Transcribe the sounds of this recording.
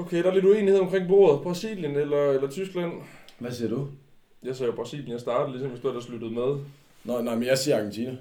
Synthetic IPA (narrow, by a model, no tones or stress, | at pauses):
okʰeɾ̥ɑ̈ælid̥ue̝ːniheðˠɒmkʰʁeŋ̰b̥o̝̰ːɐð̞ˠb̥ʁɑ̈sḭːljənelɐelɐt͡sʰysɡ̥læn̰ʋæsiɐd̥u | jɑ̈ɪsɛːjob̥ʁɑ̈sḭljənjɑɪsd̥ɑ̈ːd̥ð̩lisɒ̽mʋe̝sd̥uæd̥ɑslud̥ð̞̩ˠmeð̞ˠ | nɑnɑɪmenjɑsiːɐɑ̈ɡ̥ent͡sʰiːnə